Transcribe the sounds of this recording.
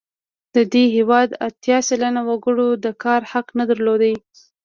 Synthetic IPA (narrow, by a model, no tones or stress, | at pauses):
d̪̥əd̪eɦewɑd̪a̰t̪jɑsalanawaɡəɽod̪əkɑɾhaqnad̪aɾlod̪aj